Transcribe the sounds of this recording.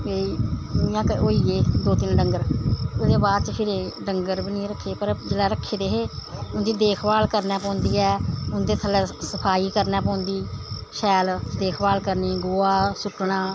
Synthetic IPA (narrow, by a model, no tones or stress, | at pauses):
eːiːnɪ̃jãːkoːiːeːd̪oːt̪ɪnɖəŋɡəɾʊd̪eːbaːd̪t͡ʃəkʰɪɾeːɖəŋɡəɾbəniːɾəkʰːeːpəɾd͡ʒelɛːɾəkʰːeːd̪eːɦeːʊnd̪iːd̪eːkʰbaːlkəɾnɛːpɔ̃ːnd̪iːɛːʊnd̪eːt̪ʰəlɛːsəpʰaːiːkəɾnɛːpɔ̃ːnd̪iːʃɛːld̪eːkʰbaːlkəɾniːɡʊːaːsʊʈːɳaː